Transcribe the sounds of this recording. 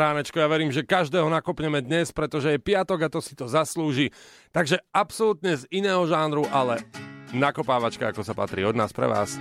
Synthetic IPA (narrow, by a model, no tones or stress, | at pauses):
ɾaːnɛt͡ʃkɔjaʋɛɾiːmʒɛkaʒd̪ɛːɦɔnakɔpɲɛmɛd̪ɲɛspɾɛt̪ɔʒɛjɛpɪat̪ɔɡat̪ɔsi̥t̪ɔzasluːʒi | t̪aɡʒɛapsɔlut̪ɲɛzinɛːɦɔʒaːnɾuʔalɛnakɔpaːʋat͡ʃkaakɔsapa̰t̪ɾḭːɔd̪naːspɾɛ̰ʋa̰ːs